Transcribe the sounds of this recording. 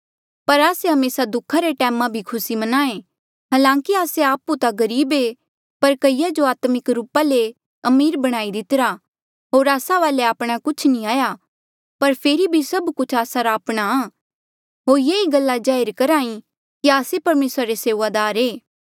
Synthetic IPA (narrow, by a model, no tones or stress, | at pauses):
pɐɾaːseɦɐmeːsad̪ʊkʰaɾeʈɛːmãbʱikʰʊsimɐnaːẽ | ɦaːlãːkiaːseaːput̪aɡɐɾiːbe | pɐɾkɐijad͡ʒoaːt̪mɪkɾuːpale | ɐmiːɾbɐɽ̃aːid̪ɪt̪ɪɾa | ɦoːɾaːsaʋaːleaːpɽ̃akʊt͡ʃʰnĩaːja | pɐɾpʰeːɾibʱisɐbkʊt͡ʃʰaːsaɾaːpɽ̃aãː | ɦoːɾjeːiɡɐlːad͡ʒaːɪɾkɐɾaːĩ | kiaːsepɐɾmeːsɾaɾeseːʋad̪aːɾeː